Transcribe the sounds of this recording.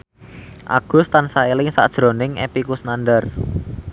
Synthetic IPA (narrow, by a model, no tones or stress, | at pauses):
ʔa̰ɡ̥ʊ̤st̪ansailɪŋsa̰d̥ʒ̥ɾo̤nɪŋḛpikusnanɖər